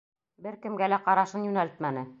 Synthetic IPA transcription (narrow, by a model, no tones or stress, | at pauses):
bɘɾkɘ̆mɡælæqɑɾɑʃɤnjʉnælɘt̪mænɘ